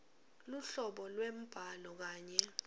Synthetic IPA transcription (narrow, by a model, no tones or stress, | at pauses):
luɬɔɓɔlwem̩b̥ʱalɔk̬aːɲɛ